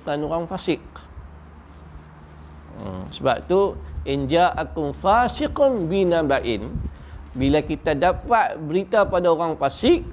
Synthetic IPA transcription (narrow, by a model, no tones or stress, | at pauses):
kanoɾaŋfasɪk̚ | ə̰səba̰p̚t̪uʔind͡ʒaʔakʊmfasiqʊnbinabaʔɪn | bilakit̪adapat̪̚bəɾit̪apadaoɾaŋfasɪk̚